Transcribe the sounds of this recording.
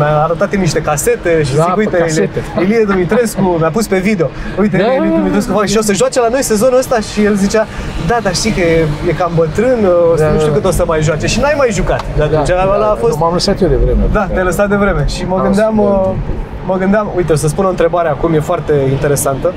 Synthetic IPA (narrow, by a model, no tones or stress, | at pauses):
mʲaːɾət̪at̪imniʃt̪e̞kase̞t̪e̞ʃistikujt̪elelied̪umit̪ɾe̞skumjapuspe̞vid̪e̞o̞ujt̪eelielid̪umit̪ɾe̞s̬kuvaʃiosəʒuat͡ʃelano̞jse̞zo̞nuəst̪aʃije̞lzit͡ʃad̪ad̪aʃt̪ikəeje̞kambət̪ɾɨnosuʃt̪uukət̪osəmajʒoat͡ʃe̞ʃinuajmajʒukat̪d̪aket͡ʃaaalaːfost̪amləsat̪jed̪evɾemed̪at̪eləsat̪̚d̪e̞vɾe̞me̞ʃiməɨnd̪eaməː | əɡɨnd̪eamujt̪eos̬əs̬punont̪ɾe̞baɾeakumje̞foart̪e̞int̪eɾe̞sant̪ə